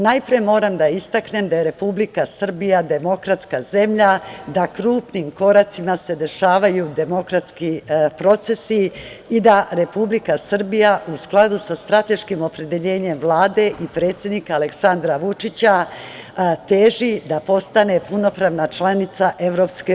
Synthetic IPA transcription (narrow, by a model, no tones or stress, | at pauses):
najpɾiemo̞ːɾamd̪aist̪akne̞md̪ajeɾe̞publikasr̩bijad̪e̞mo̞kɾat̪skaze̞mʎad̪akɾuːpniːmko̞ɾat̪simase̞d̪e̞ʃaːʋajud̪e̞mo̞kɾat̪skipɾo̞t̪se̞siː | d̪aɾe̞publikasr̩bijaʔusklˠad̪usast̪ɾat̪e̞ʃkimo̞pɾe̞d̪e̞ʎe̞ːɲe̞mʋlˠaːd̪e̞ʔipɾe̞ːt̪sʲje̞d̪nikaːle̞ksand̪ɾaʋut͡ʃit͡ɕa | t̪eːʒid̪apo̞st̪ane̞puno̞pɾaːʋnat͡ʃlanit̪saʔe̞ʋɾo̞pske